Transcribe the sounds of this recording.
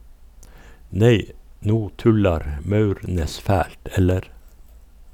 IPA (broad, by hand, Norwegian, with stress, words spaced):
ˈneɪ ˈnuː ˈtʉlɑɾ m ˈmɑʉɾˌneːs ˈfæːlt ˈɛləɾ